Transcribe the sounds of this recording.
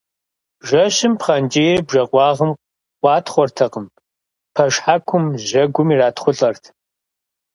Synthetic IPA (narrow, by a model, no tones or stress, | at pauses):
ʒɐɕɪmpχɐnd͡ʒʼijribʒɐqʷɑːʁəm | qʷʼɑːtχʷɔrtʰɐqəm | pʰɐʂħakʷʰʊmʑɐɡʷʊmiːraːtχʷʊɬʼɐrtʰ